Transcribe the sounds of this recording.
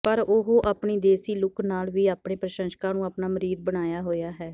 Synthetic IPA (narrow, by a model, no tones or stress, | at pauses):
pəɾʊɦoːʔaːpɳiːd̪eːsiːlʊknaːlʋiːaːpɳeːpɾəʃə̃nʃkãːnũːaːpnaːməɾiːd̪̚bəɽ̃aːjaːɦoːjaːɦɛː